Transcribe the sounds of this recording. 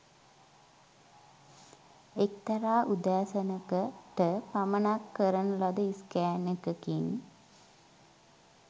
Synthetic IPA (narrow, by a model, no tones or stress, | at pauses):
ekt̪ɐɾaːʔud̪aːsənəkəʈəpamənakːəɾənəlad̪əiskæːnəkəkin